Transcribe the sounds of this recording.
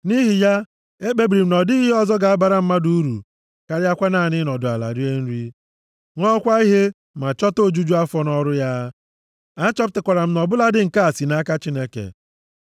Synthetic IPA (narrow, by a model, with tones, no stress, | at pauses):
ni˦ɦi˨ja˦ | e˦k͡pe˦bɾi˨m̩˨nɔ˨di˦ɦe˦ɔ˦˨zɔ˦ɡa˨a˦ba˨ɾa˦˨m̩˦ma˦du˦u˦ɾṵ˨ | ka˦ɾɪ˦a˦kʷa˦na˦˨nɪ˦nɔ˨dʊ˨a̰˨la̰˨ɾi˦e˦n̩˦ɾi˦ | ŋʷɔ˦kʷa˦i˦ɦe˦ | ma˨t͡ʃɔ˦to˦˨d͡ʒu˦d͡ʒu˦a˦fɔ˦nɔ˦ɾʊ˦ja˦ | a˦t͡ʃɔ˦p̚tɪ˨kʷa˨ɾa˨m̩˦nɔ˨bʊ˦la˦dɪ˦ŋ̩˨ka˦a˨si˨na˦ka˦t͡ʃi˦ne˦kḛ˨